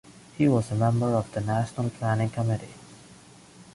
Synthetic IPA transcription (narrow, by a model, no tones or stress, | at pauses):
hiwʌzəmɛ̃mbə˞ʌvðənæʃənəlˠpʰl̥ænɪ̃ŋkʰʌmɪɾḭ